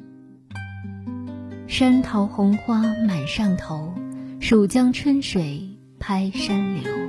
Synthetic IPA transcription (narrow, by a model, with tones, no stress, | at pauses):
ʂa˥nt̪ʰo˧˥ʊxʊ˧˥ŋxwa˥ma˨˩nʂɑ˥˩ŋt̪ʰo˧˥ʊʂu˨˩ʊt͡ɕjɑ˥ŋʈ͡ʂʰwə˥nʂwe˨˩ɪ | pʰa˥ɪʂa˥nlḭ˨˦